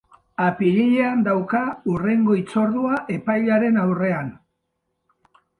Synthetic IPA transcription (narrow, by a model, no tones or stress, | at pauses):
apiɾiʎe̞and̪awkaure̞ŋɡo̞it͡so̞ɾðuaʔe̞pajʎaɾe̞nawre̞an